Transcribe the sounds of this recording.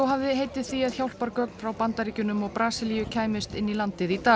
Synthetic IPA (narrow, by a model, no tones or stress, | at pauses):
ɔwɦavðɪɦeːjt̪ɪð̥θiaðçjawl̥paɾkœkn̥fɾawpant̪aɾiːcʏnʏmɔɣpɾaːsɪlijʏcʰaːjmɪst̪ɪnːilant̪ɪðit̪aː